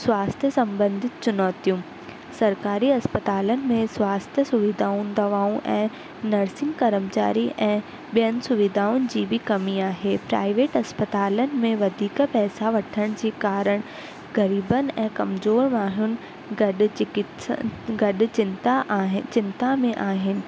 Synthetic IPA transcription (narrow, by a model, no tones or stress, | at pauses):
swaːst̪ʰjəsɐ̃mbə̃nd̪ʱɪt̪t͡ɕʊnɔːt̪ijũ | sɐɾkaːɾiɐspət̪aːlənɪ̆mẽswaːst̪ʰjəsʊʋɪd̪ʱaːʊ̃nɪ̆d̪ɐʋaːũʔɛ̃ː | nɐɾsɪ̃ŋɡkɐɾəmt͡ɕa̰ːɾiʔɛ̃ː | ɓijənɪ̆sʊʋɪd̪ʱaːʊnɪ̆d͡ʑiːbʱɪkɐmiaːɦeːpɾa̰ːɪʋeːʈɐspət̪aːlənɪ̆mẽʋɐd̪ʱiːkpɛːsaʋɐʈʰəɽ̃d͡ʑiːkaːɾəɽ̃ | ɣɐɾiːbənɪ̆ɛ̃ːkɐmzoːɾmaːɦjʊnɪ̆ | ɡɐɗk | ɡɐɗʊ̆t͡ɕɪnt̪aɦt͡ɕɪ̃nt̪amẽʔaːɦɪnɪ̆